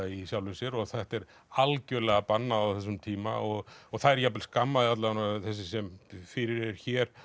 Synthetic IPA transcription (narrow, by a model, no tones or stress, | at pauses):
isjawlɪsjɛɾɔɣθɛht̪ɛɾ | alcœɾlɛɣapanːaːwθɛs̬ːʏmt̪ʰiːma̰ɔɣɔɣθaðɛɾjap̬ːɪlskamːaðɪat̪lanaθɛs̬ɪsɛmfɪɾɪɾɛɾ̥çɛːɾ̥